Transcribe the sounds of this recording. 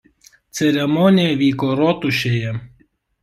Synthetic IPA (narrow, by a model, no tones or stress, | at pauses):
t̪sʲɛɾʲɛmɔnʲɪjɛʋʲiːkoɾɔt̪ʊʃʲejɛ